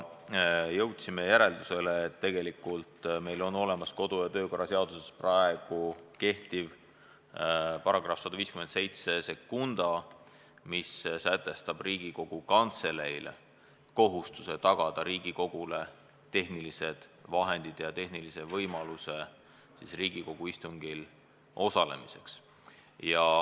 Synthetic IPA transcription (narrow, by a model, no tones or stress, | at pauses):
jɤwt̪sime̞jæɾe̞ld̪use̞leːt̪ːe̞ɡ̥e̞likːˑult̪me̞jlo̞nːo̞le̞mɑsko̞d̪̥ujɑt̪ø̞ːko̞rːɑseɑd̪̥usesprɑe̞ɡ̥uke̞ht̪iv | pɑɾɑɡ̥rɑfsɑd̪̥uviːskyment̪sejt̪se̞se̞kːund̪̥ɑ | missæt̪ːˑe̞st̪ɑb̥riːɡ̥iko̞ɡ̥ukɑnt̪se̞le̞jl | ko̞ɦust̪u̥se̞t̪ɑɡ̥ɑd̪̥ɑɾiːɡiko̞ɡ̥ule̞ | t̪e̞hnilise̞d̪̥vɑɦe̞nd̪̥id̪̥jɑt̪e̞ɦnilise̞vɤjmɑluse̞ | sisriːɡ̥iko̞ɡ̥uist̪uŋɡ̥il | ʔo̞sɑle̞̰mise̞ks | jɑ